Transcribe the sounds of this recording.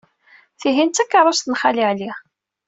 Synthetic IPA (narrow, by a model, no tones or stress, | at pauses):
θiɦint̪ːækːɑrˤːɑsθənχaliʕli